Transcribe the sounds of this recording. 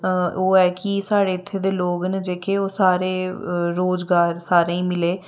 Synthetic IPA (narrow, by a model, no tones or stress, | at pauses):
oːɛːkɪsaːɽeːɪt̪ʰːeːd̪eːloːɡnd͡ʒeːkʰeːoːsaːɾeːɾoːd͡ʒɡaːɾsaːɾeːĩːmɪleː